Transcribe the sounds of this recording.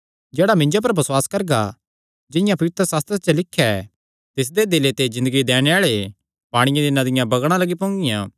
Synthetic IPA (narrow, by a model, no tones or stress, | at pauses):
d͡ʒɛːɽamɪ̃ɲd͡ʒopɐɾbɐswaːskɐɾɡa | d͡ʒɪjãpɐʋɪt̪ɾəsaːst̪ɾet͡ʃəlɪkʰːja | t̪ɪs̬d̪ed̪ɪlet̪ed͡ʒɪ̃nd̪əɡid̪ɛːɽ̃eaːɭe | paːɽ̃ɪjãd̪ɪnãd̪ɪjãbɐɡɽ̃ãlɐɡipõːŋɡɪjãː